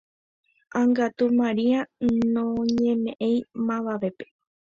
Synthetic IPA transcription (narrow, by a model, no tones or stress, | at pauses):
ãŋɡat̪umãɾianõɲẽmẽʔẽj̃mãʋaʋe̞pe̥